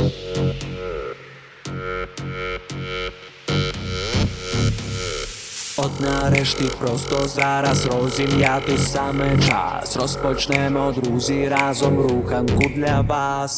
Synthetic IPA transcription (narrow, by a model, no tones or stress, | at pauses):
ɔd̪naːɾɛʃt̪ipɾɔst̪ɔzaɾazɾɔːzimjaːt̪usaːmɛt͡ʃa̰sɾɔspɔt͡ʃnɛːmɛɔd̪ɾuːziɾaːzɔmɾuːxaŋkud̪ʎaʋaːs